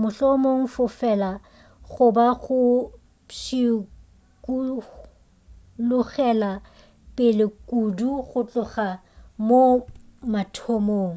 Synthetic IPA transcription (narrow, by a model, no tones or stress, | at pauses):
mʊɬɔmoŋ̩fʊfɛla | ɣʊbaɣʊ | ʃi | ku | lʊɣɛla | pʼɪlɪkʼuduɣʊt͡ɬʼʊχa | mo | matʰɔmoːŋ̩